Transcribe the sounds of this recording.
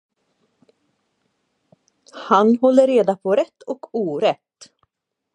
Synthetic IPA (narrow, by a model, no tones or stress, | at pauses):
hanhɔlːəɾeːd̪apʰɔɾɛt̪ʰːɔkʰuːɾɛt̪ː